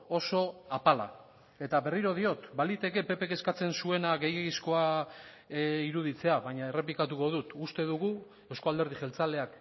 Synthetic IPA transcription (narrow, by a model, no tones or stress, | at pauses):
o̞so̞apala̰ | e̞t̪aβe̞riɾo̞ð̞io̞t̪balit̪e̞ke̞pe̞pe̞keskat͡se̞nsue̞naɡe̞jeɣisko̞a | iɾuðit͡se̞aβaɲae̞re̞p̬likat̪̬uko̞ð̞ut̪ust̪e̞ðuɣu | e̞wsko̞ald̪eɾð̞iʝe̞lt͡sale̞ak